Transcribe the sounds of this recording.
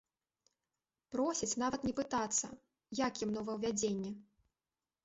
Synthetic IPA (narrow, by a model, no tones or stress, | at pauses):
pɾɔsʲit͡sʲn̪avɐt̪nʲɛpɨt̪at̪sːɐ̰ | jakjimnɔwvɐwvʲad͡zʲenʲːɛ